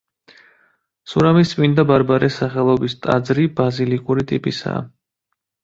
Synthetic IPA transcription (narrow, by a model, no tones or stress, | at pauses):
suɾamisʼmʼind̪abaɾbaɾʔɛsaχɛlˠɔbist̪ʼa̰d̪zɾibazilikʼuɾit̪ʼipʼisa̰ː